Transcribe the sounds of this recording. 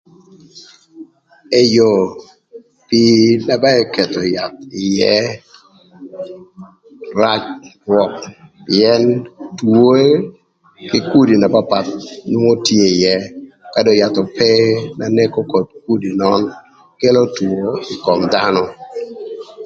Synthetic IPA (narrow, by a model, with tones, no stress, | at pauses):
e˦jo˨ | pi˦na˨ba˦ɛ˦kɛ˨to˨ja˨t̪ɪ˨jɛ˦ | ra˦t͡ʃrwɔ˨k̚pɪɛ˦ntwo˦e˦ | kɪ˦ku˦di˨na˨ba˦pa˨t̪̚nwu˦ŋo˦tje˦ɪ˨jɛ˦ka˦do˨ja˨t̪ɔ˨pɛ˦na˨ne˦ko˦ko˨t̚k̚u˦di˨nɔ˦n | ke˦lo˦two˨˦ɪ˨kɔ˨mda˦nɔ˦